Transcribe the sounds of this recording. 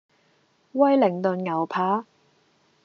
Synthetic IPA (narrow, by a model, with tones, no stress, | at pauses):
wɐ˥jlɪ˨˩ŋt̪ɵ˨nŋɐ˨˩wpʰaː˨˥